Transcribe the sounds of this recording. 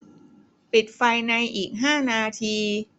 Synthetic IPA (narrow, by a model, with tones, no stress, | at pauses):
pi˨˩t̪̚fa˧jna˧jʔiː˨˩k̚ɦaː˥˩naː˧t̪ʰiː˧